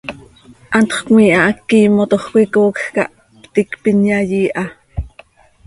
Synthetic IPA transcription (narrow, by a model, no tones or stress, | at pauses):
ʔɑnt̪χkmiːʔɑʔɑkːiːmot̪oχkʷikoːkxkɑ̰ʔ | pt̪ikpinjɑjiːʔɑ